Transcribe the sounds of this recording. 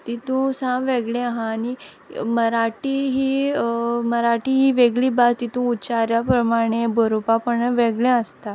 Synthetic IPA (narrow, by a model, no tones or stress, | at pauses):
t̪it̪ũːsãʋeɡɭẽaɦãːni | məɾaʈiːɦiː | məɾaʈiːɦiːʋeɡɭiːbad̪t̪it̪ũut͡ɕaɾjapɾəmaɽ̃ebʱəɾupapəɳəʋeɡɭẽəst̪a